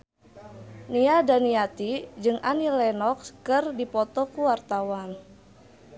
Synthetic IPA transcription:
niadaniat̪id͡ʒɨŋʔanilɛnɔkskɨrdipɔt̪ɔkuwart̪awan

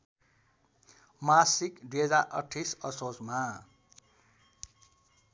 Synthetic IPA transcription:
masikɖed͡zaʔʌʈʰisʌsosma

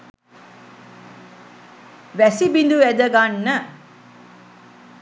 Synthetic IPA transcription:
ʋæsibind̪uʋæd̪əɡanːə

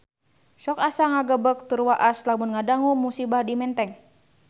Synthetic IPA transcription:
sɔkasaŋaɡəbək̚t̪urwaʔaslamunŋadaŋumusibahdimɛnt̪ɛŋ

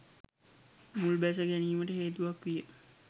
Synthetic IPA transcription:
mulbæs̬əɡæniːməʈəɦeːt̪uʋakʋijə

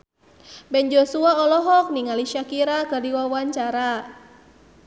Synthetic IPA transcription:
bɛnd͡ʒɔsuaɔlɔɦɔk̚niŋaliʃakiɾakɨrdiwawaɲt͡ʃaɾa

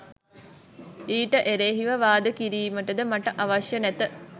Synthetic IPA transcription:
iːʈəʔeɾeːɦiʋɐʋaːd̪əkiɾiːməʈəd̪əmaʈəʔaʋaʃjənæt̪ə

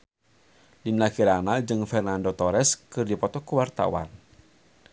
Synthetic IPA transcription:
linaɡiɾanad͡ʒɨŋfɛrnandot̪ɔɾɛskɨrdipɔt̪ɔkuwart̪a̰wa̰n

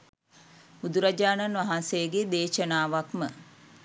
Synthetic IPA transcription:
bud̪uɾad͡ʒaːnanʋaɦanseɡed̪eːʃənaːʋakmə

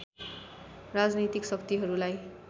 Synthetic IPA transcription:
rad͡znit̪iksʌkt̪iɦʌɾulaj

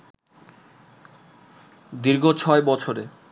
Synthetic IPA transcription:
d̪iɾɡʱot͡ɕʰɔebɔt͡ɕʰoɾe

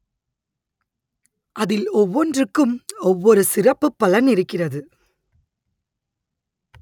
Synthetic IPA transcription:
ʔɐðɪlɔʋːɔndrɯkːɯmɔʋːɔɾɯsɪrɐpːɯpːɐlɐnɪɾɯkːɪrɐðɯ

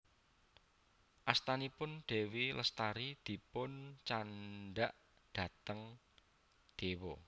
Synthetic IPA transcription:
ʔast̪anipʊnɖ̪̥e̤wilʔəst̪aɾid̪̥i̤pʊnt͡ʃanɖaʔ | d̪̥a̤t̪əŋ | d̪̥e̤wɔ

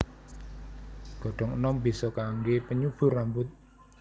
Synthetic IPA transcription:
ɡ̥ɔ̤ɖ̥ɔ̤ŋənɔmbi̤sɔkaŋɡepəɲub̥ʊ̤rambʊt̪̚

